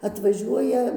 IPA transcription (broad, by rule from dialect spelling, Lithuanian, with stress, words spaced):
ɐtʋɐˈʒʲuɔjɛ